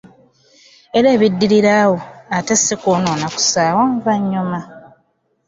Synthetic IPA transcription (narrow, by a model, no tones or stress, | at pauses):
e̞ɾe̞ːβidːiɾiɾawoatesikoːnoːnaku̥saːwaɱvaɲːuma